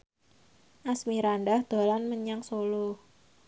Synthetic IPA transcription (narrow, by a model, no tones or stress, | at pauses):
ʔasmiɾanɖahd̪̥a̤lanməɲaŋsolo